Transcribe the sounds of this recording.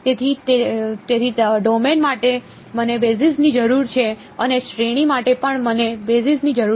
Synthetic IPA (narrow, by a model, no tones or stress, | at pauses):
t̪et̪ʰit̪et̪et̪ʰiɖomenmaʈe | mənebesisnid͡ʒəɾuɾt͡ʃʰe | ənesɾeɽ̃imaʈepəɳmənebesisnid͡ʒəɾu